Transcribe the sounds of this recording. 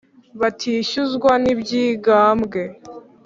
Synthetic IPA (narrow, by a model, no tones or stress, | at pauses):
βatʰiːʃuzɡwanibɟiːɡaːmɡe̞